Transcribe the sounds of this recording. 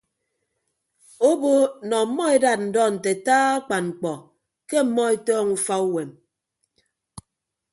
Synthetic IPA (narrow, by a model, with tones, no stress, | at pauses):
o˦bo˦nɔ˨˦mːɔ˦e˦da˨t̚n̩˨dɔ˦n̩˨te˨taː˦a˦k͡pa˨nŋ͡m̩˨k͡pɔ˨ | ke˦m̩˨mːɔ˦e˦tɔː˦ŋu˦fa˦u˦we˨m